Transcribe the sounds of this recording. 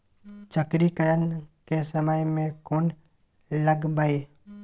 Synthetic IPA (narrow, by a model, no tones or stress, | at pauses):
t͡ʃəkɾikəɾənkesəməjmẽkoːn | ləɡbaeː